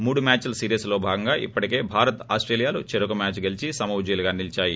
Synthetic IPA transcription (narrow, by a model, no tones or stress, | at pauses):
muːɽumʲaːt͡ʃlɐsiːɾijɐslo̞ːbʱaːɡɐŋɡaːʔḭpːɐʈike̞ːbʱaːɾɐt̪aːsʈɾeːlijaːlut͡ʃeɾukumʲaːt͡ʃɡelit͡ʃisɐmɐwd͡ʒiːlɐɡaːnilt͡ʃaːji